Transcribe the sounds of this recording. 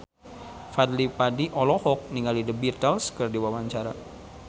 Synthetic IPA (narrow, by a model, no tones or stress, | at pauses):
fad̪lipadiʔɔlɔhɔk̚niŋalidəbirt̪əlskərdiwawaɲt͡ʃaɾa̰